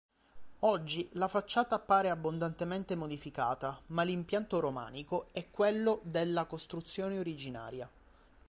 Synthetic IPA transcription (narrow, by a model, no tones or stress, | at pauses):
ɔd͡ʒːilafat͡ʃːaːt̪aːpːaːɾeabːond̪ant̪ement̪emod̪ifikaːt̪amalimpjant̪oɾoma̰ːnikoɛkːwelːod̪elːakost̪ɾut̪sːjoːneoɾid͡ʒina̰ːɾja